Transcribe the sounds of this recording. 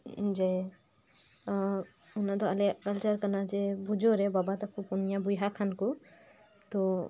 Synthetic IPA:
d͡ʒɛ | unad̪ɔalɛkəlt͡ʃəɾkanad͡ʒɛbud͡ʒɔɾɛbabat̪akʰupunjabujɦakʰanku | t̪ɔ

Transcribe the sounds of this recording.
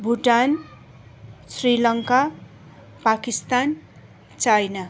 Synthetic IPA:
bʱuʈan | srilʌŋka | pakist̪an | t͡sajna

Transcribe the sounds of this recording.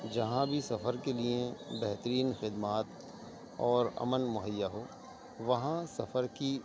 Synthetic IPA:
d͡ʒɐɦãbʱisɐfəɾkeliebɛɦt̪ɾiːnxɪd̪maːt̪ | ɔːɾɐ̰mənmʊɦəjːaɦoː | ʋɐɦãsɐfəɾki

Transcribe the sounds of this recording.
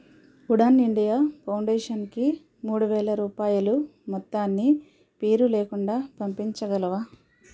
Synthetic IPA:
uɽaːniɳɖijaːpʰɐwɳɖeːʂɐnki | muːɽuʋɛːɭɐɾuːpaːjulumɔt̪ːaːnːi | peːɾuleːkuɳɖaːpɐmpiɲt͡ʃɐɡɐlɐʋaː

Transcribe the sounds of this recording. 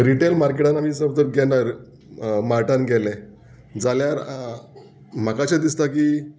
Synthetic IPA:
ɾiʈelmaɾkeʈanamiːsəbd̪əɾɡɛnaɾ | maɾʈanɡɛle | d͡zaljaɾ | m̤akat͡ɕed̪ist̪akiː

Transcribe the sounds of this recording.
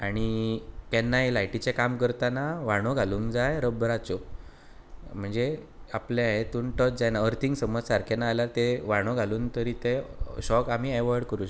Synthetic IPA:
aɽ̃ikɛnːajlajʈit͡ɕekamkəɾt̪anaʋaɽ̃oɡʱaluːŋnkd͡zajɾəbəɾat͡sɔ | m̤əɳd͡ze | apljãet̪uːnʈəd͡zd͡zajnaəɾt̪ʰiŋɡsəməd͡zsaɾkʰenaːljat̪eʋaɽ̃oɡʱaluːnt̪əɾit̪eɕɔkam̤iɛʋəɾɽkəɾũɕ

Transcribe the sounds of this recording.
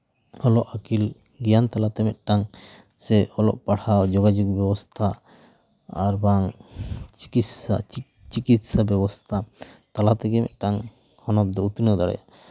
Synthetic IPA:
ɔlɔʔakil | ɡijant̪alat̪ɛmɛt̪̚ˀʈaŋ | sɛɔlɔ̰ʔpaɽawd͡ʒɔɡad͡ʒuk̚bjɛbɔst̪ʰa | a̰ɾbaŋ | isa | t͡ʃikit̪sabjɛbɔst̪ʰat̪alat̪ɛɡɛmɛ̰t̪̚ˀʈaŋ | hɔnɔp̚d̪ɔut̪nɔd̪aɽɛ̰a

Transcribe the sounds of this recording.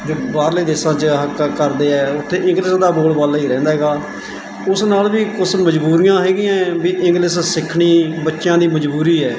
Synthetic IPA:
d͡ʒoːbaːɾleːd̪eːsãːt͡ʃəɦəkkəɾd̪eːɛːʊt̪ʰːeːɪ̃ŋɡlɪsd̪aːboːlbaːlaːiːɾɛ̃ːnd̪aːɦɛːɡaː | ʊsnaːlbiːkʊsməd͡ʒbuːɾɪjãːɦɛːɡɪːãːbiːʔɪ̃ŋɡlɪssɪkʰɳiːbətːʃjãːd̪iːməd͡ʒbuːɾiːɛː

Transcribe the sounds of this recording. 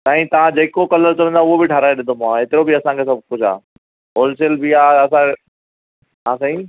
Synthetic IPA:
saːɦĩt̪ɐʋ̤ãd͡ʑeːkokɐləɾt͡ɕɐʋə̃nd̪ãʊɦobɪʈʰaɾaːeɗɪ̃nd̪omãeːt̪ɪɾobiɐsãkʰes̬ɐb̚ʱkʊd͡ʑʱa̰ː | ɦoːls̬elbɪaːɐs̬ã | ɦãːsɐɦi

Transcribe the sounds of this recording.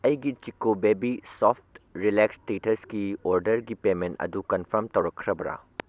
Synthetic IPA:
ɐjɡit͡ʃikobebisopʰtɾilekstitʰɐskioɾdɐɾɡipementɐ̰dukɐnpʰɐɾmtɐwɾɐkʰːɾɐbɐɾa̰

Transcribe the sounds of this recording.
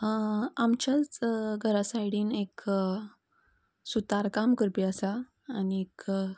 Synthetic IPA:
amt͡ɕjat͡sɡʱəɾasajɽiːnek | sut̪aɾkamkəɾpiasaː | niek

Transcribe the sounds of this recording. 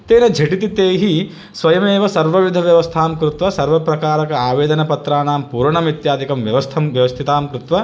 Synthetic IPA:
t̪eːnɐd͡ʒʱɐʈit̪it̪eːɦi | sʋɐjɐmeːʋɐsɐɾʋɐʋid̪ʱɐʋjɐʋɐst̪ʰaːmkɾut̪ʋɐsɐɾʋɐpɾɐkaːɾɐkɐaːʋeːd̪ɐnɐpɐt̪ɾaːnaːmpuːɾɐɳɐmit̪jaːd̪ikɐmʋjɐʋɐst̪ʰɐmʋjɐʋɐst̪ʰit̪aːmkɾut̪ʋɐ

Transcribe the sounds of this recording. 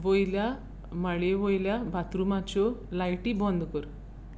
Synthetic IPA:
ʋojlja | maɭeʋojljabʱat̪ɾumãt͡ɕɔlajʈibɔ̃nd̪kəɾ

